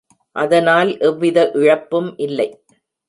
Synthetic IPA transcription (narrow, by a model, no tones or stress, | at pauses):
ʔɐðɐnaːlʔɛʋːɪðɐʔɪɻɐpːɯmʔɪlːɐɪ